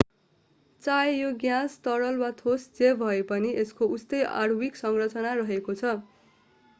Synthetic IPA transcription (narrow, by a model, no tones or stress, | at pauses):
t͡sajejoɡjãst̪ʌɽʌlwat̪ʰosd͡zebʱʌepʌniʔeskoust̪ʌja̰rwiksʌŋrʌt͡sʌnarʌɦekot͡sʰʌ